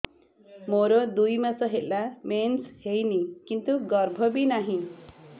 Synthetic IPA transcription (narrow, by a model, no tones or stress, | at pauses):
moɾod̪ujmat͡sʌɦellːamenshejnikint̪uɡʌrbʱʌbinaɦĩ